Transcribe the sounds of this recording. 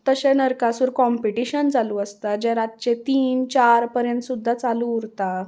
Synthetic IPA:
t̪əɕenəɾkasuːɾkɔmpiʈiɕənd͡zaluəst̪ad͡ʑeɾat̪̚t͡ɕet̪iːnt͡ɕaɾpəɾjənt̪sud̪ʱːat͡saluːɾt̪a

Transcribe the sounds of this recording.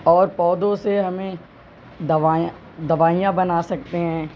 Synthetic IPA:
ɔːɾpɔːd̪õseɦɐmẽ | d̪ɐʋãː | d̪ɐʋaːijãbɐnaːsɐk̚t̪eɦɛ̃ː

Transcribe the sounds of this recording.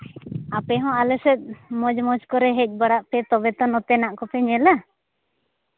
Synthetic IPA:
apɛɦɔ̃alɛsɛt̪̚ˀmɔd͡ʒmɔd͡ʒkɔɾɛɦɛc̚ˀbaɽaʔpɛt̪ɔbɛt̪ɔnɔt̪ɛnaʔkɔpɛɲɛla

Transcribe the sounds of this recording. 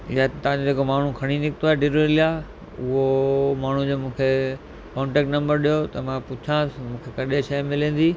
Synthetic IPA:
ɪjat̪t̪ɐʋãd͡ʑod͡ʑeːkomaːɳ̤ukʰɐɽ̃inɪkʰt̪oaːɦeɖɪɾuɪlija | ʊɦomaːɳ̤ũd͡ʑoːmũːkʰe | kɔ̃ːɳʈɛːk̚ʈnɐ̃mbəɾɗijot̪ɐmãpʊt͡ɕʰãːsmũːkʰekɐɗeʃɐjmɪlẽːn̆d̪iː

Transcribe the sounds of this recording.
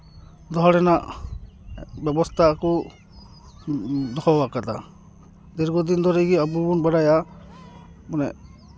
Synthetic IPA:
d̪ɔɦɔɾɛnaʔ | bɛbɔst̪ʰakɔ | d̪ɔkʰɔwakat̪a | d̪ɛɾɡɔd̪ind̪ɔɾɛjɡiabubɔnbaɽaja | manɛ̰ʔ

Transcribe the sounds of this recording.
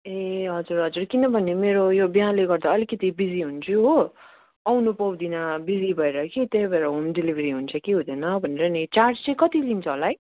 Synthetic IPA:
eɦʌd͡zuɾɦʌd͡zurkinʌbʱʌnemeɾojobiɦãleɡʌrd̪aʌlikʌt̪ibid͡ziɦunt͡sʰuɦo | awnupʌwd̪inabid͡zibʱʌeɾʌkit̪ebʱaɾʌɦomdilibʱɾiɦunt͡sʰʌkeɦud̪ʌnʌbʱʌneɾʌnit͡sarʈst͡sʌj̃kʌt̪ilint͡sʰʌolaj

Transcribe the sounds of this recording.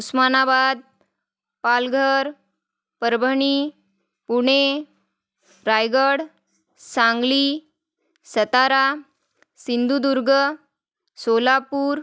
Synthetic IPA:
usmanabad̪̚ | palɡʱəɾ | pəɾbʱəɳi | puɽ̃e | ɾajɡəɽ | sãŋɡli | sət̪aɾa | sind̪ʱud̪uɾɡə | solapuːɾ

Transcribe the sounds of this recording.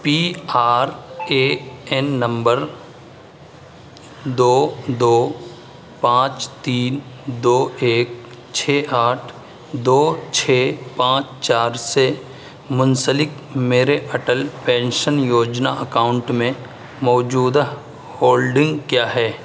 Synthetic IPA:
piːaːɾeːɛnːə̃mbəɾ | d̪oːd̪oː | pãːt͡ʃt̪iːnd̪oːeːk̚ | t͡ʃʰeːʔaːʈʰ | d̪oːt͡ʃʰeːpãːt͡ʃt͡ʃaːɾse | mʊnsəlɪk | meːɾeʔəʈəlpɛ̃ːnʃənjoːd͡ʒna̰ʔəkaːʊ̃ɳʈmẽ | mɔːd͡ʒuːd̪a | hoːlɖɪ̃ŋɡkjaːɦɛː

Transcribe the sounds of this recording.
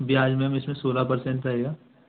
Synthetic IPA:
bʱiaːd͡ʒmɛ̃ːmɪsmẽsoːlapɐɾsẽɳʈɾɐɦeːɡaː

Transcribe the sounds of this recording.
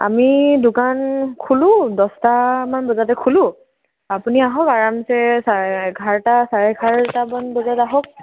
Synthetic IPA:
a̰midʊkankʰulʊ̃dɔstamanbɔzatɛkʰulʊ | apuniaɦɔkaɹamsɛsaɡʱaɹtasaɹɛɡʱaɹtamanbɔzataɦɔk̚

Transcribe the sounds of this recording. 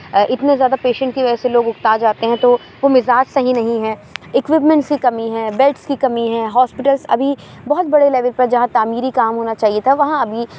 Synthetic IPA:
ʔɪt̪nezjaːd̪apeːʃə̃ɳʈk̪iʋɛɛseloːɡʊɡt̪aːd͡ʒaːt̪eɦɛ̃t̪o | ʋomɪzaːd͡ʒsɐɦĩnɐɦĩɦɛ̃ːɪkʋɪp̬mɛ̃ɳʈskikɐmiɦɛ̃ːbɛlʈskikɐmiɦɛ̃ːɦɔːspɪʈəlzɐ̰bʱi | bɔɦɔt̪̚bɐɽelɛːʋəlpɐɾd͡ʒɐɦãt̪aːmiːɾikaːmɦoːnat͡ʃaːɦiet̪ʰaʋɐɦãɐbʱi

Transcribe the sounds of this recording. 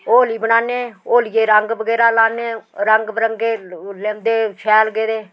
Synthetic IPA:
oːliːbəɽaːneːoːlijeːɾəŋɡʋəɡɛːɾaːlaːneːɾəŋɡbɾəŋɡeːleːmd̪eːt͡ʃʰɛːlɡeːdeː

